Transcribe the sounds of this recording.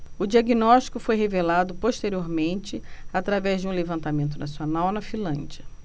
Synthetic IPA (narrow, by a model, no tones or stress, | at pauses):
ʊd͡ʒiaɡinɔʃt͡ʃi̥kʊfojɦevelad̪ʊpoʃt̪eɾioɾmẽnt͡ʃɪat̪ɾavɛzd͡ʒɪũlevɐ̃nt̪amẽnt̪ʊnasionawnɐfĩlɐ̃d͡ʒiɐ